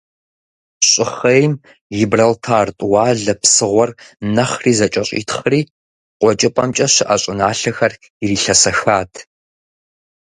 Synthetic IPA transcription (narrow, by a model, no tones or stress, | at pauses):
ɕʼɪχejm | jɪbrɐltʰaːrtʼwɑːɮɐpsɨʁʷɔrnɐχriːzɐt͡ʃʼɐɕʼḭːtʰχriː | qʷɔt͡ʃʼɪpʼɐmt͡ʃʼɐɕɪʔɐɕʼɪnaːɬɐxɐr | iriːɬɐsɐxaːtʰ